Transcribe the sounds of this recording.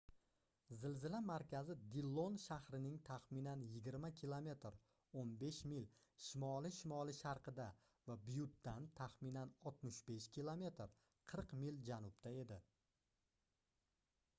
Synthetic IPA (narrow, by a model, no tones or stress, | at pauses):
zɪlzɪlamaɾkʲʰazɪd̪ilˠːonʃahɾɪnɪŋt̪ʰaχmɪnanjɪɡʲɪɾmakʲʰilˠome̞t̪ɾ | onbe̞ʃmɪlʃɪmɒlɪʃɪmɒlˠɪʃaɾqʰɨd̪a | vabʊjʊt̪ːant̪ʰaχmɪnanɒt̪mɪʃbe̞ʃkʲʰilˠome̞t̪ɾ | qʰɨɾqmɪld͡ʒanʊp̚t̪ʰae̞d̪ɪ